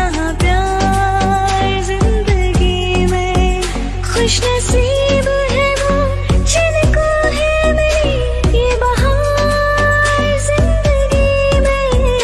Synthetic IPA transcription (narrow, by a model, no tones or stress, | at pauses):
ɐɦãpja | zɪ̃nd̪əɡi | mẽ | xʊʃnɐsi | b | ɦɛbo | t͡ʃʰiːzeko | ɦɛ | meɾi | jebɐɦa | ɾ | zɪ̃nd̪əɡi | mẽ